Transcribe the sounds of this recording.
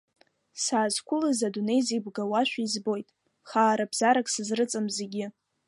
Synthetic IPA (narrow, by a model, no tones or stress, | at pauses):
saːzkʷʰʊlazadune̞jzibɡawaʃᶣʷaizbo̞jtʼ | χaːɾabz̥aɾakʼsɨzrɨt͡sʼɨmzeɡʲɪ